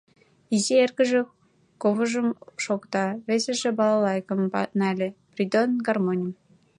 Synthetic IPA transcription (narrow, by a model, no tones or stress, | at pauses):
izeerkəʒĕ | koβəʒəmʃokt̪ɑβeseʒĕbɑlɑlɑjkəmnɑlʲeprʲid̪onɡɑrmonʲəm